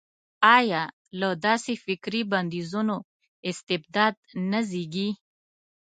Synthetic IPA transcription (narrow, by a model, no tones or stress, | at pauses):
ɑjɑ | lad̪ɑsefɪkɾiband̪izuno | ɪst̪ɪb̚d̪ɑd̪̚naziɡi